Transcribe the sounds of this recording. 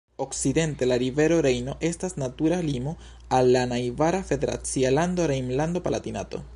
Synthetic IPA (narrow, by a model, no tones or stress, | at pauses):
o̞kside̞nte̞laɾive̞ɾo̞ɾe̞jno̞ʔe̞stasnatuɾalimo̞ | alːanajvaɾafe̞de̞ɾa̰t͡sialand̪o̞ɾejmland̪o̞palat̪ina̰to̞̰